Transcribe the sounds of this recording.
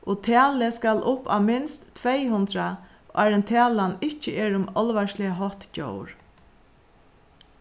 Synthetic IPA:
ɔt̪ʰæːləskalʔʊpa̰wmɪnst̪ːʰvɛjɦʊnt̪ɾa | aɾɛnt̪ʰæːlanɪht͡ʃəeːɾʊmɔlʋaʃlɪaɦɔht̪t͡ɕo̰ːwɾ

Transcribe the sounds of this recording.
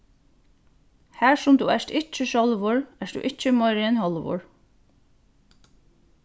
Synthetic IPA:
hæɹsʊmt̪ṵɛʂt̪ɪt͡ʃːɪʃɔlʋʊɹɛʂd̪ṵʔɪt͡ʃːɪmɔjɾɪɛnhɔlʋʊ̰ɹ

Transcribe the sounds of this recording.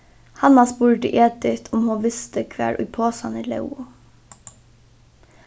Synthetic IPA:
hɑnɑsbuːɾʈɪ̰ʔeːd̪ɪt̪ʰʊmhuːʋɪst̪əkʰʋæ̰ːɹʔʊ̰ʏpʰoːsɑniːlɑ̰ʉʊ

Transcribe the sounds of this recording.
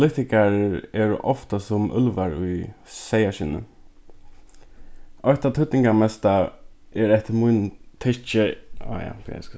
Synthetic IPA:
lɪt̪ɪkaɾɛːɾʔɔft̪asʊmʏ̰lʋaɹʊjsɛjaʃɪnə̰ | ɔjht̪at̪ʰʏt̪nɪŋkamɛst̪a | ɛɾɛht̪əmʊjnt̪ʰɪt͡ʃɪ̰ja̰pɛ̰s

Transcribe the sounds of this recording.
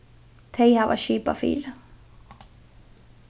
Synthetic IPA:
t̪ʰejhava̰ʃiːpa̰fḭːɾɪ

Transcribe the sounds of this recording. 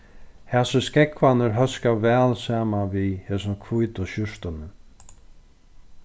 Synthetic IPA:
hɛsəskɛkvanɪɾɦœskavɛːlsaːmanvihɛsʊkʰvujt̪ʊɕʊʂt̪ʊnɪ

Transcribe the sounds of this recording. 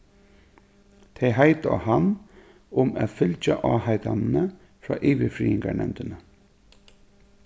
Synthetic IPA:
t̪ʰeɪɦæɪt̪a̰han | ʊmæːt̪fʏlt͡ʃaʔɑːhaɪd̪annə | fɾɑ̰ːʔiːʋɪfɾḭːɪŋɡaɳɛmt̪ənə

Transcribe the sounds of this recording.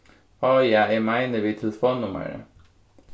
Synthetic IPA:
hɑːjæɪæmæɪnəʋiːt̪ʰɛlfoːnʊmə̰ɹə̰

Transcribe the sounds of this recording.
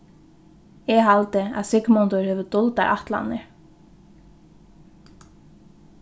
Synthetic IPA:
ɛɦalt̪ɪa̰ðsɪkmɔnt̪ʊɹhɛːvʏt̪ʊlt̪a̰ɾʔa̰ht̪la̰nːɪɹ

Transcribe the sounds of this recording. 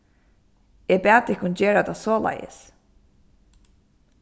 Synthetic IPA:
ɛpæːt̪ɪkʰːʊnd͡ʑeːɹat̪asɔːla̰jə̰s

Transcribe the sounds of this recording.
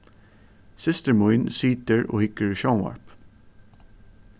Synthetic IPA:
sɪst̪əɹmʊʏɪnsiːt̪əɹo̰ːhɪkəɹʃaʊnɑ̰ɹp

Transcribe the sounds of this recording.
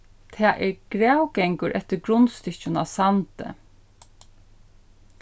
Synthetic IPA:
t̪ʰæːʔɛɾɡ̥ɾæwɡɛŋkʊɾʔɛt̪əɾɡɾʊnst̪ɪt͡ʃʊna̰sant̪ə̰

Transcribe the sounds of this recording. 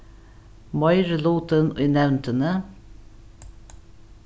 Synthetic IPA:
mɑɪɾəluːt̪ənʏːnɛʋnt̪ʰənə

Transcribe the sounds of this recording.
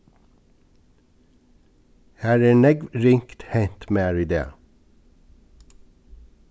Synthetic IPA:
hæːɹæːɳɛɡʋɹɪŋkt̪heɪnt̪meːæɹɪd̪ḛːɑ̰

